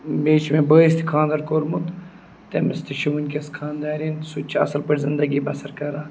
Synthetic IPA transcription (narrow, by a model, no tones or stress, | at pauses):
beːt͡ʃmebəːist̪ʰi̥kʰãːnd̪ɐɾkoːɾmut̪ | t̪emɪst̪ʰiʃiʋunʲkʲɐskʰaːnd̪aːɾinsut͡ʃʰɐ̰sɐlpɐʈʲzɪnd̪ɐɡibɐsɐɾkɐɾaː